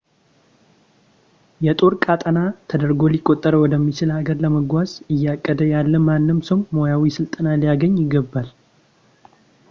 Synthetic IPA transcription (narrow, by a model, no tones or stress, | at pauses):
jɛt̪ʼo̞ɾkʼat̪ʼənat̪ʰəd̪əɾɡo̞likʼo̞t̪ʼːəɾəwɔd̪əmːit͡ʃɪlaɡəɾləməɡʷazɨjːakʼːəd̪əjalːəmanːɨmsəwːo̞jawisɨlt̪ʼənalijaɡəɲːjɪɡːəbːal